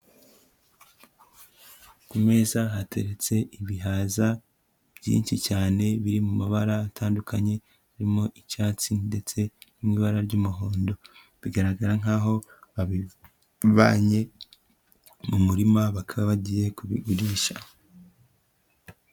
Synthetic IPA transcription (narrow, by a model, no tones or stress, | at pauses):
kumeːzaɦatʰe̞̰ɾe̞t͡se̞ʔiβiɦaːza | β̥jḭːnʃicaːne̞βiɾimumaβaɾaːtʰaːndukʰaɲe̞ | aɾimo̞ʔicaːt͡sinde̞t͡se̞nimŋiβaɾaɾɟumuɦo̞ːndo̞ | βiɡaɾaɡaɾaŋ̥aːɦo̞βaβi | βa̰ːɲe̞ | mumuɾimaβakʰaβaβaɟije̞kuβḭɡuɾiʃa